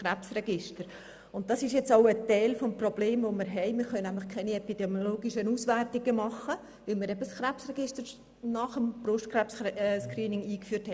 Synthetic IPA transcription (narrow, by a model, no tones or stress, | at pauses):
χræpsrɛɡɪʃtəɾ | ʊnt̚d̥ɑsɪʃjɛt͡saʊətɛɪlfɔmprob̥leːmvomɪɾɦɛɪmɪːɾχœnæmlɪχkʰɛɪniɛpidɛmjoloːɡiʃənuːsʋærtɪɡəmɑχːə | ʋɪlmɪɾɛbəsχɾæpsrɛɡ̥ɪʃtəɾ | nɑχəmb̥rʊʃtkrɛpsskriːnɪŋiːkfyːthɛ